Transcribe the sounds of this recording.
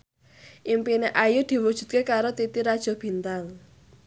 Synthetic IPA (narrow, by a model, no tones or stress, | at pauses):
ʔimpineʔajud̪̥i̤wud̥ʒ̥ṳt̪̚kekaɾot̪it̪iɾad̥ʒ̥ɔ̤b̥i̤nt̪al